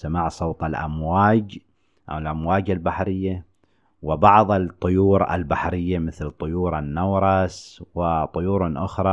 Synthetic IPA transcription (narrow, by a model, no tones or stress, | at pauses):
samaːʕsˤowt̪ˤalʔa̰mwaːd͡ʒ | ʔa̰wlʔamwaːd͡ʒalbaħɾɪjːa | wɪbɑʕðˤɪt̪ˤːʊjuːɾa̰lbaħɾɪjːamɪθlt̪ˤːʊjuːɾanːawɾˤɑswɪt̪ˤːʊjuːɾnʔʊxɾˤɑ